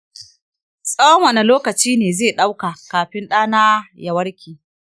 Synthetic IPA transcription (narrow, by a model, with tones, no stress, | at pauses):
sʼɐ˦wɐ˦ŋwɐ˨ne˨loː˦kɐ˨t͡ʃiː˦neː˨zeː˦˨ɗa˦wkaː˨kaː˨ɸɪ˦nɗaː˦naː˦ja˨wɐ˦ɽkʲiː˨